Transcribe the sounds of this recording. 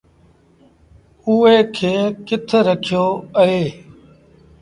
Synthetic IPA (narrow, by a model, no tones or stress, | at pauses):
ueːkʰeːkɪt̪ʰɾəkʰɪjoːəɦeː